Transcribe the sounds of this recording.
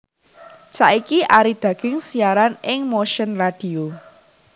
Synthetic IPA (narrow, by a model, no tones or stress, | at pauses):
t͡ʃaʔikiʔaɾid̥ä̤ɡ̥ɪ̤ŋsiaɾanɪŋmoʃənrad̥i̤o